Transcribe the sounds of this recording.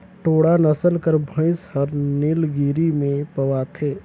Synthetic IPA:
ʈoːɽanəsəlkəɾbʱə̃ɪshəɾnɪlɡiːɾimẽpəʋat̪ʰeː

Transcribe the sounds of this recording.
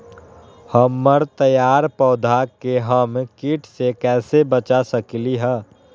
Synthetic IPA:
həmːəɾt̪əjaːɾpɔːd̪ʱakeɦəmkiːʈʰsekɛːsebət͡ʃasəkliɦɛː

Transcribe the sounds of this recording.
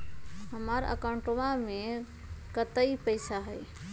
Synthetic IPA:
ɦəməɾə̰kəɳʈoʋame | kət̪əipəɪsaɦəj

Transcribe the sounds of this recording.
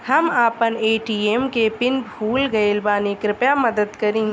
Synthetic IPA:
hɐmaːpəneːʈiːemkepɪnbʱuːlɡɐelbaːnekɾɪpjamɐd̪əd̪kɐɾẽːŋɡ

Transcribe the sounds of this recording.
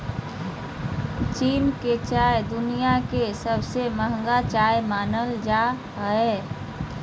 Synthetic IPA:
t͡ʃiːnket͡ʃajd̪unijakesəbʱseməɦəŋɡat͡ʃajmaːnəld͡ʒa | ɦəe

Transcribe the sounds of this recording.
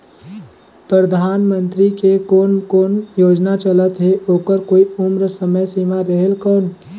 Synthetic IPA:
pɾəd̪ʱaːnmə̃nt̪ɾikekoːnkoːnjoːd͡ʒnat͡ʃələt̪ɦeʔoːkəɾkoːiʊmɾəsəməjsiːmaɾəɦelkɔːn

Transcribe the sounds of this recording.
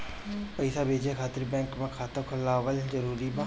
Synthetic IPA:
pəɪsabʱeːd͡ʒekʰaːt̪ɪɾbɛ̃ːŋkmẽkʰaːt̪õkʰʊlaːʋəld͡ʒəɾuːɾiba

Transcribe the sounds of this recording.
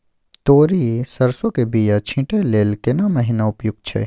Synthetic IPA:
t̪oːɾisɐɾsokebijat͡ʃʰĩʈeleːlkenamɐɦinaʊpjʊɡ̚t͡ʃʰḛ

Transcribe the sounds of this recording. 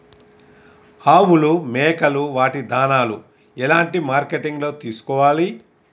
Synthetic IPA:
aːwulumɛːkɐluʋaːʈid̪aːnaːlṵ | ɛlaːɳʈimaːɾkeʈiŋɡlo̞ːt̪iːsu̥kɔːʋaːli

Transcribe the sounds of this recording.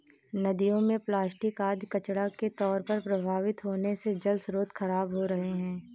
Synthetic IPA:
nɐd̪ijõmẽplaːsʈɪkaːd̪ʱjkɐt͡ʃɽaket̪ɔːɾpɐɾpɾɐbʱaːʋɪt̪ɦoːnesed͡ʒɐlsɾoːd̪xɐɾaːbɦoɾɐɦeɦɛ̃ː

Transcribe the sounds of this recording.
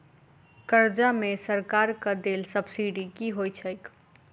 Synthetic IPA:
kəɾd͡ʒamesəɾkaɾkəd̪elsəbsiɖikiɦojt͡ʃʰəjk

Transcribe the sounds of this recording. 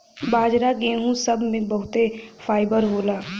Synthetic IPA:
baːd͡ʒɾaɡẽːɦũsɐbmẽbəɦʊt̪efʰaːɪbəɾɦoːlaː

